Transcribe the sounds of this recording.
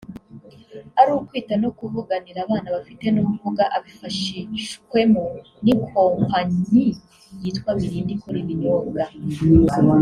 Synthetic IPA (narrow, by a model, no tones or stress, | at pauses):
aɾuːkwiːtano̞kuvuɡaniɾaːβaːnaβafite̞numuvuɡaʔaβifaʃiʃkwe̞mu | nikʰoːmaɲi | jiːtkwaβiɾiːndikuɾiβinoːɡa